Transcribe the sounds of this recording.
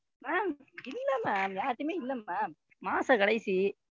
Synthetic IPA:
maːmɪlːɐmaːmjaːɾt̪ːɯmeːɪlːɐmːaː | maːsɐkɐɽɐɪsi

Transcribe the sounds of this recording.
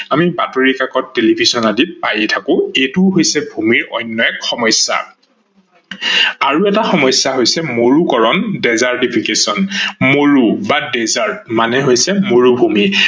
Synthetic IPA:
amibatoɹikakɔtːelibʱizɔnadipajɛtʰakʊ̃etʊɦojsɛbʱumiɹɔ̰jnːɔjɛkxɔmɔjsa̰ | aɹuɛtaxɔmɔjsːaɦojsɛmoɹukɔɹɔndɛzaɹtipʰikesɔnmoɹubadɛzaɹtmanɛɦojsɛmoɹubʱumi

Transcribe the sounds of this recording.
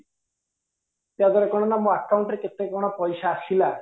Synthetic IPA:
t̪ead̪ɔɾekɔɽ̃ɔnamɔakawɳʈɾeket̪ekɔɽ̃ɔpɔjsaːsila

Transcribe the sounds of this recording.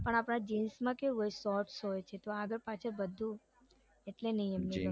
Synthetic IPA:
pəɳ̃apɽãd͡ʒinsmãkeɦojsɔɾʈsɦojt͡ʃʰet̪oaɡəɾpat͡ʃʰəbəd̪ʱːũ | eʈlenəɦĩɛmni

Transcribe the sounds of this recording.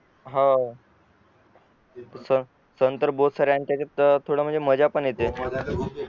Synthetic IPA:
ɦã | sə | sənt̪əɾbod̪saɾjaɳt̪jat͡ɕat̪t̪ʰoɽəm̤əɳd͡zeməd͡ʑapəɳjet̪e

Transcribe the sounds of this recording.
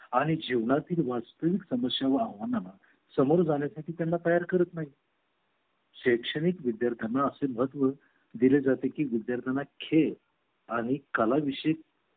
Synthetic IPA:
aɽ̃id͡ʑiʋɳat̪iːlʋast̪əʋiksəməsjaʋəaɦʋanana | səmoɾd͡zaɳ̃jasaʈʰiːt̪janːat̪əjaɾkəɾət̪naɦi | ɕəkʂəɽ̃ikʋid̪jaɾt̪ʰanaəseməɦət̪ʋə | d̪iled͡zat̪ekiːʋid̪jaɾt̪ʰənakʰel | aɽ̃ikəlaʋiɕe

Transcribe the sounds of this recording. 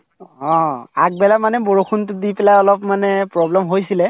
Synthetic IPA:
ɔ̃ak̚bɛlamanɛboɹokʰuntʊdipɛlajɔlɔpmanɛpɹɔblɛmɦojsilɛ

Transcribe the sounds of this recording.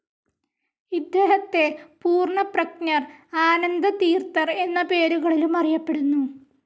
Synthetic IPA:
id̪ːeːɦɐt̪ːe̞puːrɳɐprɐknɐraːnɐnd̪ɐt̪iːrt̪ɐre̞nːɐpe̞ːɾuɣɐɭilumɐrijɐpːeɽunːu

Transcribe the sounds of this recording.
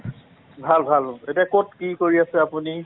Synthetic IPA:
bʱalbʱaletiakot̚kikoɹiasɛapuni

